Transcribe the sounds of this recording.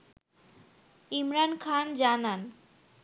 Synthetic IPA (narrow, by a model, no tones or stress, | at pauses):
imɾankʰand͡ʑanan